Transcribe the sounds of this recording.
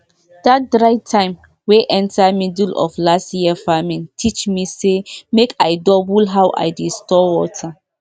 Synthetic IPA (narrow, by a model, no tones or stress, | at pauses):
d̥at̚dɹajtʰãɪ̃m | weʔɛ̃ntʰamidulʔɔ̰flastjiəfamĩntʰit͡ʃmisemekʰajdɔbulɦawʔa̰jdistɔwɔtʰa